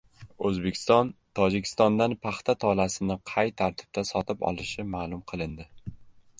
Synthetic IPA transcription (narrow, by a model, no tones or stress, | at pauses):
ɵzbekʲʰɪ̥st̪ɒnt̪ʰɒd͡ʒɪkʲʰɪ̥st̪ɒnd̪anpʰaχt̪ʰat̪ʰɒlasɪnɪqʰɑjt̪ʰaɾt̪ʰɪ̥b̥̚t̪ʰasɒt̪ʰɪpɒ̰lˠɪʃɪmaːlˠʊmqʰɨlˠɪnd̪ɪ